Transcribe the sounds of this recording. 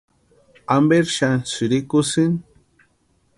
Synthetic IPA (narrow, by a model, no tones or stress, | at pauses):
ambeɾʃansiɾikʊsin